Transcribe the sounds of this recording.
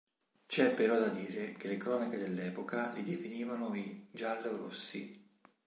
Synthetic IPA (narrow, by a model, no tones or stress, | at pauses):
t͡ʃɛpːeɾɔd̪ad̪iːɾekelekɾɔːnaked̪elːɛːpokalid̪efiniːvanoid͡ʒalːoɾosːi